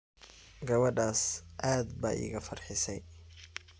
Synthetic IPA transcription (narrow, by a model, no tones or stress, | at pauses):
ɡɐβɐɖaːsʔaːd̪ba̰ːʔɪ̰ɣɐfɐrħɪsɛj